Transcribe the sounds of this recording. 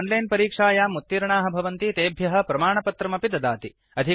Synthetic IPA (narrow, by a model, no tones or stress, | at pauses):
nlɐjnpɐɾiːkʂaːjaːmut̪ːiɾɐɳaːɦɐ̆bʱɐʋɐnt̪it̪eːbʱjɐɦɐ̆pɾɐmaːɳɐpɐt̪ɾɐmɐpid̪ɐd̪aːt̪i | ɐd̪ʱi